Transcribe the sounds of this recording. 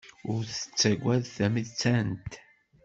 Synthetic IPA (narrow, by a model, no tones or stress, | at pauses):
ʊɾθə̥t͡sːæɡʷːæðθæmiðt͡sːænt̪